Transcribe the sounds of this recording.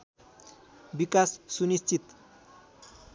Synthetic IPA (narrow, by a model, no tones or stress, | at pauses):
bikasːunist͡sit̪